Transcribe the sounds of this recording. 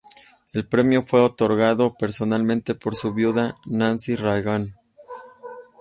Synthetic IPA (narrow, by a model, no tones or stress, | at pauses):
e̞lpɾe̞mjo̞fwe̞o̞t̪o̞ɾɣaðo̞pe̞ɾso̞nalmẽ̞nt̪e̞po̞ɾsuβjuðanãnsirajɣan